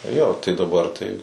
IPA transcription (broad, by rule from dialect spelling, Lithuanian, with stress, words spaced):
joː tɐɪ dɐˈbɐr tɐɪ